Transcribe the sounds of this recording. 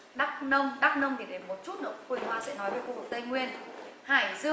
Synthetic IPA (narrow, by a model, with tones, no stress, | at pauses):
ɗa˦˥k̚nə˧wŋ͡mɗa˦˥k̚nə˧wŋ͡mɗi˨˩ɗe˨˦nmo˨˩t̚t͡ɕu˦˥t̚nə̰˧˩wkwi˧˩hwaː˧sɛ̰˧˥nɔ˨˦jvəː˨˦jkṵ˧˨v̚t̪ə˧jŋwi˧ənhaː˧˩jzɨ˧